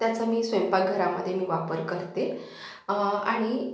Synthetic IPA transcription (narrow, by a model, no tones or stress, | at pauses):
t̪jat͡samiːsʋempaɡʱəɾaməd̪ʱːjemiːʋapəɾkəɾt̪e | a̰ɽ̃i